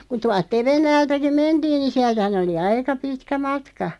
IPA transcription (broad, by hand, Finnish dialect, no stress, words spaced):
ku tuɑlt teʋenːæːltæki mentiːn ni siæltæ̆hæn oli ɑikɑ pitkæ mɑtkɑ